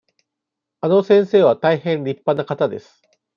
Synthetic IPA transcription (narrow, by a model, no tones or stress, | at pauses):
anosẽ̞ɰ̃se̞ːβat̪aihẽ̞nɾʲipːanakat̪ad̪e̞sɨ̥